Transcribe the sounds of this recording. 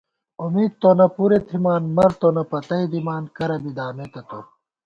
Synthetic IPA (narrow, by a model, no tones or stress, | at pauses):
umiːd̪̚t̪ːonɐpuɾet̪ʰimaːnmɐɾt̪onɐpɐt̪ɐid̪imaːnkɐɾɐbid̪aːmet̪ɐt̪o̰